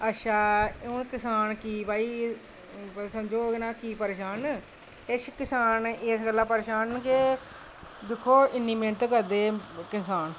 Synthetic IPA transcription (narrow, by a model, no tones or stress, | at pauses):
ətːʃʰaːʊnkɪsaːnkiːbaːiː | səmd͡ʒoːɡnaːkiːpəɾeːʃaːn | ɪskɪsaːnesɡəlːãːpəɾeːʃaːnke | d̪ɪkʰːoːʔɪnːĩːmẽːnt̪ekəɾd̪eːkɪsaːn